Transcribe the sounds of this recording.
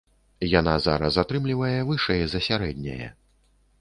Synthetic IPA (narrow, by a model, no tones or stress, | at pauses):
janaza̰ɾɐsat̪ɾɨmlʲivɐjɛvɨʂɛjɛzɐsʲaɾɛd̪ʲnʲɐ̰jɛ̰